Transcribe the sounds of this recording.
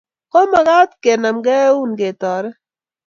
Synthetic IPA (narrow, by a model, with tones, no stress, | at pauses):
kɔ˦ma˨ɡa˦t̪ke˨na˨mɡɛ˦u˦nɡe˨tɔ˨ɾɛ˦